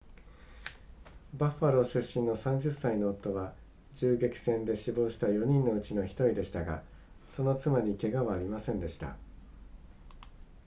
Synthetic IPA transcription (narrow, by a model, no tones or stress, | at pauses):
baɸːaɾo̞ɕɨɕːĩnːo̞sãɲ̟d͡ʑɨsːaino̞ːt̪ːo̞βa | d͡ʑɨːɡe̞kʲi̥sẽ̞nd̪e̞ɕibo̞ːɕi̥t̪ajo̞ɲ̟ĩnːo̞ɯ̟t͡ɕino̞çi̥t̪o̞ɾid̪e̞ɕi̥t̪aɡa̰ | so̞no̞t͡sɨmaɲ̟ike̞ɡaβaːɾʲimasẽ̞nd̪e̞ɕi̥t̪a̰